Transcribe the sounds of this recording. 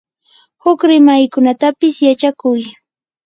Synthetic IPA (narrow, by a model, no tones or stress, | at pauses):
hʊkɾɪmajkʊnat̪apɪsjat͡ʃakʊj